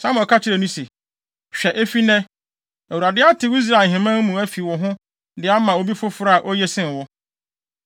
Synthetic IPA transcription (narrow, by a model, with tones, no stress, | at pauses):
sã˦m˨ɔ˨kʰa˦t͡ɕʰɪ˦ɾɛ˨nũ˦se˨ | ɕᶣɛ˨ʔe˦fi˦nɛ̃˦ | æ˨wu˨ɾa˨dɪ˦a˦tʰɪ˨i˦s̬ɾa˨ɦɪ̃˨mã˦n˦mũ˨æ˦fi˨wɔ˨ɦʊ̃˦ | dɪ˨˦a˦mã˨o˦bi˦fʊ˦fʊ˦ɾa˦a˨ʔɔ˦jɛ˦sɪ̃˦n˨wɔ˦